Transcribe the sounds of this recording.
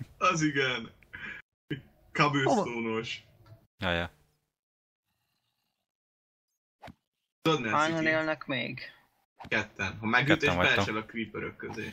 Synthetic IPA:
ɒziɡɛn | kɒbøːt̪oːnoʃ | jɑjɛ | tod̪nɛaːnɔneːlnɛkmḛːɡ | kɛt̪ʰːɛnɦɒmɛɡyt̪eːʒbɛɛʃɛlɒkɾiːpøɾøkːøzḛː

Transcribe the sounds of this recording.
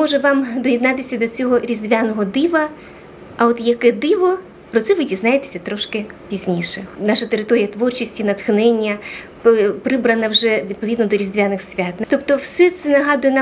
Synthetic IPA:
mɔʒɛʋɑmd̪ɔjʲid̪nɑt̪ɪsʲɐd̪ɔt͡sʲɔɦɔɾʲizd̪ʲʋʲanɔɦɔd̪ɪʋɐ | ɐɔt̪jɐkɛd̪ɪʋɔ | pɾɔt̪sɛʋɪdʲiznajet̪e̥sʲɐt̪ɾɔʃkɪpʲizʲnʲiʃɛnɑʃɐt̪eɾɪt̪ɔɾʲijɐt̪ʋɔrt͡ʃisʲtʲinɐt̪xnɛnʲːɐ | pɾɪbɾɐnɐwʒɛʋʲid̪̚pɔʋʲid̪nɔd̪ɔɾʲizd̪ʲʋʲanɪxsʲʋʲat̪nt̪ɔpt̪ɔwsɛt̪sɛnɐɦɑd̪ʊjɛna

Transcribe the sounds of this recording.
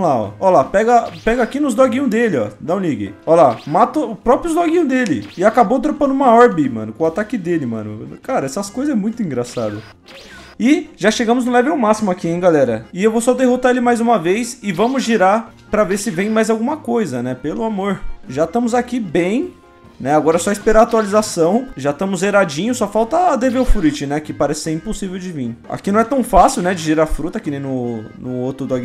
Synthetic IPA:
laɔ̰ɔlapɛɡɐpɛɡɐakinʊzd̪ɔɡĩɲʊd̪elɪɔ̰d̪aw̃niɡḛɔlamat̪ɐʊpɾɔpɾjʊzd̪ɔɡĩɲʊd̪elɪ̰ɪakabowt̪̬ɾopɐ̃nʊũmɐɔɾbimɐ̰̃nʊkõat̪akɪd̪elɪmɐ̰̃nʊ̰kaɾɐɛsɐskojzɐɛmũj̃t̪ʊĩŋɡɾasa̰d̪ɐ | ɪʒaʃeɡɐ̃mʊznʊlɛvɪawmasimʊakiẽj̃ɡalɛɾɐ̰ɪewvowsɔd̪eɦot̪aelɪmajzũmɐvejsɪvɐ̃mʊzʒiɾaɾ | pɾɐveɾsɪvẽj̃majzawɡũmɐkojzɐnɛpelʊamoɾʒat̪ɐ̃mʊzakibẽj̃ | nɛaɡɔɾɐsɔispeɾaɾaːt̪ualizasɐ̃w̃ʒat̪ɐ̃mʊzeɾad͡ʒĩɲʊsɔfawt̪ɐd̪eveʊfɾut͡ʃɪnɛkɪpaɾɛsɪ̥seɛĩposivewd͡ʒɪvĩa̰kinɐ̃w̃ɛt̪ɐ̃w̃fasiwnɛd͡ʒɪʒiɾafɾut̪ɐakinẽj̃nʊnʊot̪ɾʊd̪ɔɡ

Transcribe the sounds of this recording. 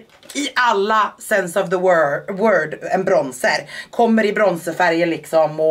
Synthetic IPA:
ɪʔalːasɛnsɑvðəwwœːɖɛnbɾɔnsəɾkʰɔmːəɾɪbɾɔnsəfæɾjəlɪksɔmɔ

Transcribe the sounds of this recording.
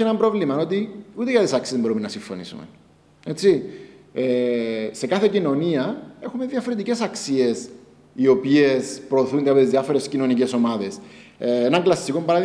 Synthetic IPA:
enɐmbɾo̞vlimɐnot̪iut̪ekɐθisɐksizembo̞ɾumenɐsiɱfo̞nḭsṵmḛ | et͡siese̞kɐθecino̞niɐe̞xumeðjɐfoɾint̪icesɐksies | io̞pie̞spɾo̞ːθund̪eɐpot̪izðjɐfo̞ɾescino̞nice̞so̞mɐðesenɐŋklɐsːikombɐɾɐði

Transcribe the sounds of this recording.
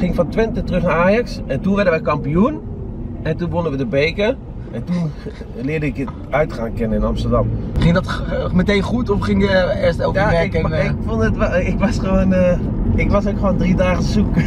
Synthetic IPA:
χɪŋfɑntʋɪntətərɵχnaːɹaːjɑksɛntunʋɛɹdəʋɛkɑmpijun | ɛntunbʋɔnənʋədəbejkə | ɛntun | lɪːdəɪkət | œɥtχaːnkɪnənɪnɑmstəɹdɑmχɪŋdɔtmətejnχutɔfχɪŋjəɪːstɛlˠkjaːɛkɪkfɔndətʋɪkʋɑsχəʋonə | ɪkʋɑsokχʋondridaːχənsuk

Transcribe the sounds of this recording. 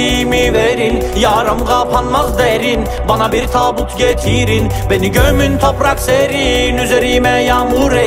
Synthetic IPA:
imiveɾin | jɑːɾɯmɡɑpʰanmazd̪eɾin | banabiɾt̪ʰaːbut̪ʰɟet̪ʰiɾin | beniɟøjmynt̪ʰopɾɑkseɾinyzeɾiːmɛjaːmuɾe

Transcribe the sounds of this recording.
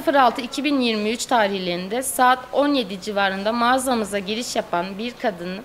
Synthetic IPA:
ɯfɯɾalˠt̪ʰɯicʰibinjiɾmiyt͡ʃt̪ʰaːɾihlʲeɾind̪ɛsaːt̪o̞nje̞d̪id͡ʒivaːɾɯnd̪amaːzamɯzaɟiɾiʃjapʰanbiɾkʰad̪ɯn

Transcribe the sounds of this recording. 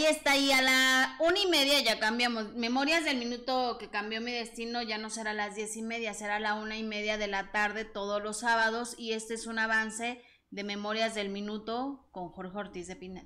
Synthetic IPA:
ie̞st̪aialaunaime̞ðjaʝakambjamo̞sme̞mo̞ɾjazðe̞lmĩnut̪o̞ke̞kambjo̞miðe̞st̪ino̞ʝano̞se̞ɾalazðje̞sime̞ðjase̞ɾalaunaime̞ðjaðe̞lat̪aɾðe̞t̪o̞ð̞o̞zlo̞saβaðo̞sie̞st̪eesunaβanse̞ | ðe̞me̞mo̞ɾjazðe̞lmĩnut̪o̞ko̞ŋxo̞ɾxeoɾt̪izðepinet̪

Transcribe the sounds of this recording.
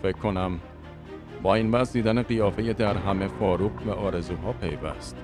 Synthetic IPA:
fecʰkʰːo̞næm | bɒːiːnvæzd̪iːd̪æneɢijɒːfe̞jed̪æɾɦæme̞fɒːɾuːɡvæʔɒːɾe̞zuːɦɒːpʰe̞jvæ̰st̪

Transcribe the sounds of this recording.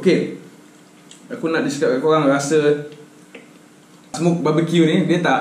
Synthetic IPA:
oke | akunaʔdiskəpakoɣaŋɾasə | smuk̚babəkjunidiət̪aʔ

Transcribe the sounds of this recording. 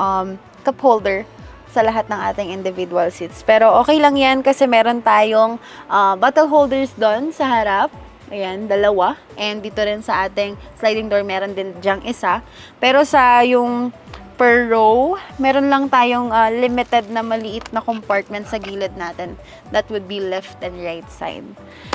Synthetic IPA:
ʔɐm | kɐphowld̪ɛɹ | sɐlɐɦat̪̚nɐŋʔa̰ːt̪ɪŋʔɪnd̪ɪvid̪uɐlsit̪spɛːɾo̞ʔo̞ːkɛjlɐŋjankɐsɛmɛːɾo̞nt̪aːjo̞ŋ | ʔɐbaːt̪ɛlɦowld̪ɛɹsd̪o̞nsɐɦɐɾap̚ | ʔɐjand̪ɐlɐwa | ʔɛnd̪iːt̪oɾɪnsɐʔaːt̪ɪŋslajd̪ɪŋd̪oɹmɛːɾond̪ɪnd͡ʒɐŋʔɪsa | pɛːɾo̞sɐjʊŋpɛɹːowmɛːɾonlɐŋt̪aːjo̞ŋʔɐlɪmɪt̪ɛd̪̚nɐmɐlɪʔɪt̪̚nɐkompaɹt̪̚mɛ̃nt̪̚sɐɡiːlɐd̪̚naːt̪ɛn | d̪ɐt̪̚wʊd̪̚bilɛft̪ɛ̃nd̪ɹajt̪̚sa̰jd̪̚

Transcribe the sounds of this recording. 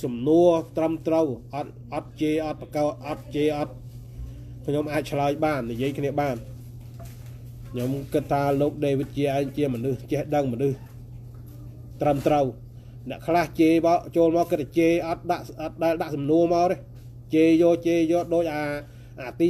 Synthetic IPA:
sɑmnuət̪rəmt̪rəwʔɑt̪̚ | ʔɑt̪̚t͡ɕeːʔɑt̪̚prakɑːt̪̚ʔɑt̪̚t͡ɕeːʔɑt̪̚ | kʰɲomʔaːc̚t͡ɕʰlaəjɓaːnːijiəjkʰniəɓaːn | kʰɲomkɨt̪̚ʰːaːloːk̚ɗeːʋit̪̚t͡ɕiəʔaɛŋt͡ɕiəmɔnɨht͡ɕɛhɗəŋmɔnɨh | t̪rəmt̪rəw | nɛ̆əʔkʰlaht͡ɕeːmat͡ɕoːlmaɔkɨt̪̚ʰːat͡ɕeːʔɑt̪̚ɗaʔt̪̚ɗaɛlɗaʔsɑmnuəmaəɾe | t͡ɕeːjɔːt͡ɕeːjɔːɗoːc̚ʔaː | ʔaːt̪iː

